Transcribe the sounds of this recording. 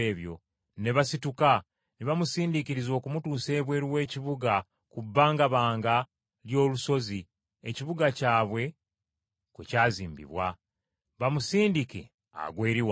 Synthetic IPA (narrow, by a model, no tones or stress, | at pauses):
eːβjo̞̰ | ne̞βasituka | neβamusiːndikiɾizo̞ːkumutuːse̞ːβwe̞ːɾiwe̞ːciβuɡa | kubːaːŋɡaβaːŋɡa | ljo̞ːluso̞zi | eciβuɡacaːβwe̞ | kwecaːzḭːmbḭβwa | βamusiːndike̞̰ | a̰ɡweːɾiwa